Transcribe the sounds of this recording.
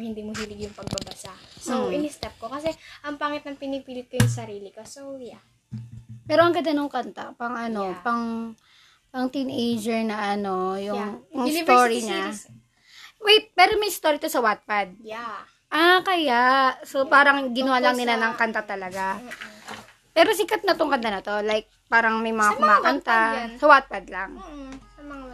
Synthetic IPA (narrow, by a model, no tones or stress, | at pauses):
hɪnd̪iːmoɦilɪɡjʊŋpɐɡ̚bɐbɐsasoɪnɪst̪ɛp̚kokɐsɛʔɐŋpaŋɪt̪̚nɐŋpɪnɪpiːlɪt̪̚kojʊŋsɐɾiːlɪkosoja | pɛːɾoʔɐŋɡɐd̪ɐnʊŋkɐnt̪apɐŋʔɐno̞pɐŋ | pɐŋt̪inʔejd͡ʒɛɹnɐʔɐno̞jʊŋjʊŋt̪oɾiɲa | wɛjpɛːɾomɐjst̪oːɾit̪o̞sɐwat̪̚pɐd̪̚ | ʔakɐjaʔsopaːɾɐŋɡɪnʊwaːlɐŋnɪlanɐŋkɐnt̪at̪ɐlɐɡa | pɛːɾos̬ɪkɐt̪̚nɐt̪oŋkɐnt̪anɐt̪o̞lajk̚paːɾɐŋmɐjmɐŋaʊmakɐnt̪asɐwat̪̚pɐd̪̚lɐŋ